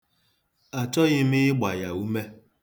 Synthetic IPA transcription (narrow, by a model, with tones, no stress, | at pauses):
a˨t͡ʃɔ˦ɣɪ˦m̩ɪ˦ɪ˦ɡ͡ba˨ja˨u˦me˦